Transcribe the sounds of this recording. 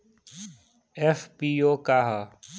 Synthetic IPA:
efpiːoːkaːɦa

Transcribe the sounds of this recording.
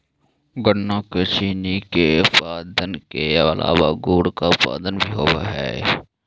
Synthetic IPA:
ɡənakəʃiːnikepaːd̪ənkeɐlʔa̰ːwaɡuːɽkapa̰ːd̪ənbʱiɦoːwa̰ɦɛ̰ː

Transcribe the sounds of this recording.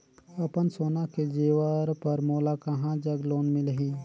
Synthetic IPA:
ɐpənsoːnaked͡ʒeːʋəɾpɐɾmoːlakɐɦãd͡ʒɐɡloːnmɪ̃lɦiː

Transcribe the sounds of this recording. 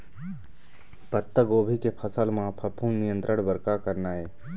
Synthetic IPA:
pət̪ːəɡoːbʱikepʰəsəlmãpʰəpʰũmnijə̃nt̪ɾəɽbəɾkakəɾnaɦɛː

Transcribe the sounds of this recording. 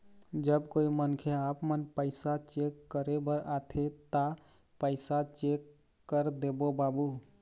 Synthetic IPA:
d͡ʒəbkoimənkʰeapmənpəɪsat͡ʃekːəɾebəɾat̪ʰet̪a | pəɪsat͡ʃekː | əɾd̪ebobabu

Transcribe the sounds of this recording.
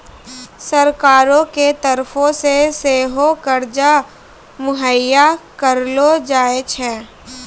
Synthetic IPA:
sɐɾkaːɾõket̪ɐɾfʰõseseːɦokəɾd͡ʒa | mʊɦəjakəɾlod͡ʒaːet͡ʃʰɛ̃ː

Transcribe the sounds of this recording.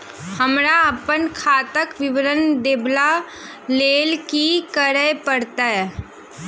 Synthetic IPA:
həmɾaɐpənkʰaːt̪əkʋɪʋəɾənd̪eːbla | leːlkikəɾəɦpəɽt̪aɦɛː

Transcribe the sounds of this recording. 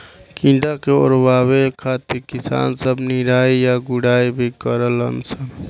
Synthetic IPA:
kĩɖakeo̰ːɾbaːwekʰaːt̪iɾkisa̰ːnsəbniɾaːijaɡuɽaːibʱikəɾələ̰nsən

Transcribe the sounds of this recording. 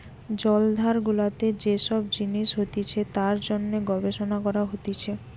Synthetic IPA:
d͡ʑɔld̪ʱaɾɡulat̪ed͡ʑeʃɔb̚d͡ʑiniʃɦot̪it͡ɕʰet̪aɾd͡ʑonːeɡɔbeʃonakɔɾaɦot̪it͡ɕʰe

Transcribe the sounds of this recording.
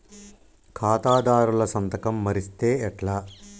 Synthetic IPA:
kʰaːt̪aːd̪aːɾulɐsɐnt̪ɐkɐmːɐɾist̪e̞ːɛʈlɐ

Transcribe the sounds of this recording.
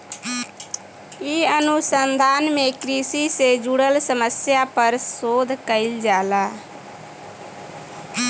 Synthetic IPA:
iənusənd̪ʱaːnmekɾisised͡ʒuɽəlsəməsjapəɾsoːd̪ʱkəɪld͡ʒaːla

